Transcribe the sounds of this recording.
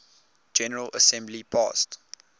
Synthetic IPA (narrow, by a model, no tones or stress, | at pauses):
d͡ʒɛnəɹələ̰sɛ̃mblipʰɑ̰st